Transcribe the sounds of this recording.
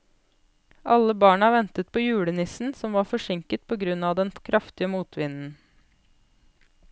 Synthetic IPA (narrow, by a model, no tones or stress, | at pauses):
ʔɑləbɑːɳɑːʋɛnt̪ət̪̚pʰoːjʉːɽənɪsn̩sɔmʋɑːɾfɔʂɪŋkət̪̚pʰoːɡɾʉnɑːʋd̪ɛnkʰɾʔɑft̪ɪəmuːt̪ʰʋɪnn̩